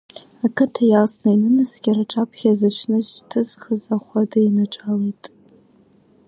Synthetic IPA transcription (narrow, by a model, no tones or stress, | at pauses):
akʰɨtʰajalsnainɨnasɡʲaɾaʈ͡ʂʼapʰχʲazɨʃʷʰnɨzt͡ʃtʰɨz̥χəzaχʷadɨinaʈ͡ʂʼalejtʼ